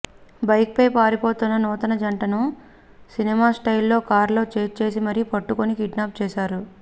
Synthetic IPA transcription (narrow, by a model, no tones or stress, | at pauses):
bɐjk̚pejpaːɾipo̞ːt̪unːɐnɔːt̪ɐnɐd͡ʒɐɳʈɐnu | sinimaːsʈɐjilːo̞ːkaːɾlo̞ːt͡ʃeːt͡ʃe̞ːsimɐɾipɐʈːukonikiɖnaːp̚t͡ʃɛːʃaːɾu